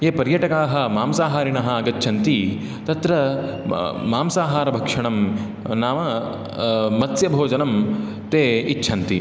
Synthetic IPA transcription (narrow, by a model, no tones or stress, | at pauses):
eːpɐɾjɐʈɐkaːɦɐ̆maːmsaːɦaːɾinɐɦɐaːɡɐt̪ːt͡ʃʰɐnt̪i | t̪ɐt̪ɾɐ | maːmsaːɦaːɾɐbʱɐkʂɐɳɐm | naːmɐ | mɐsjɐbʱoːd͡ʒɐnɐm | t̪eːitːʃʰɐnt̪ḭ